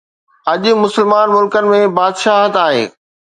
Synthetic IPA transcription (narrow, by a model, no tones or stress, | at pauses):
ɐʄʊ̆mʊsəlmaːnmʊlkənɪ̆mẽbaːd̪ʃaːɦət̪aːɦḛː